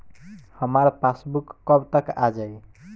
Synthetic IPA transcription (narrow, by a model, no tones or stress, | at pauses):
həmaɾpʰasbukːəbt̪əkad͡ʒaj